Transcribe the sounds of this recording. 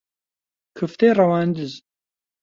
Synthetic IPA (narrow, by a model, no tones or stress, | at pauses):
kʰɨft̪eːrɐwaːnd̪ɨz